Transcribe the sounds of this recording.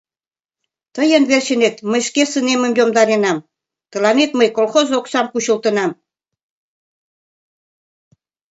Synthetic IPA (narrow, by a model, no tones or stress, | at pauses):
t̪əjənβerɕə̆net̪məjʃkesənemə̆mjomd̪ɑɾenɑm | t̪ə̆lɑnet̪məjkolxozoksɑmkuɕə̆lt̪ə̆nɑm